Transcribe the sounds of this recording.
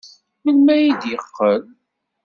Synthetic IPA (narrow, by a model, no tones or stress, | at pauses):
məlmæjid̪jəqːəl